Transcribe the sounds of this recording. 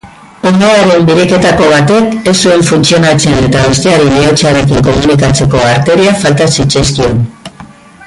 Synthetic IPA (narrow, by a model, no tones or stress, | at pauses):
onoaɾe̞mbiɾe̞ke̞t̪ako̞βat̪e̞ke̞sue̞ɱfunt͡sio̞nat͡se̞ne̞t̪aβest̪e̞aɾileot͡saɾe̞kiŋko̞munikat͡se̞ko̞aɾt̪e̞ɾiafalt̪asit͡ʃaskio̞n